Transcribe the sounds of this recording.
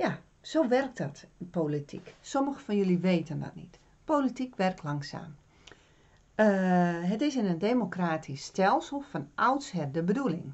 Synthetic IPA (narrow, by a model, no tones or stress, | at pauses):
ja | soːʋɛrk̚tdɔtpolitʰḭksoməxəfɔnjuliʋeːtəndɔ̰t̚nḭt | politikʋɛrk̚tʰlaŋsa̰ːm | əɦətɪsɪnəndemokraːtʰisːtɛlˠsəl̩ˠfɔnʔawtshɛdəbədulˠɪ̰ŋ